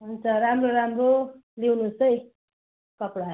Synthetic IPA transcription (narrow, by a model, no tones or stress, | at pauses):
ɦunt͡sʰʌɾamɾoɾamɾolewnusʌj | kʌpɽa